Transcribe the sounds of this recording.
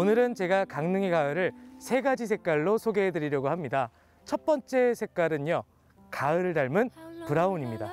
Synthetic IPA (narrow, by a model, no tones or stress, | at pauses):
onɯɾɯnt͡ɕe̞ɡakaŋnɯŋeɡaɯɾɯɭsʰe̞ɡad͡ʑisʰe̞k͈aɭːosʰoɡe̞ɦedɯɾiɾjʌɡoɦamɲida | t͡ɕʰʌt̚p͈ʌnt͡ɕ͈e̞sʰe̞k͈aɾɯnʌ | kaɯɾɯɭdaɭmɯnpuɾaoɲimɲida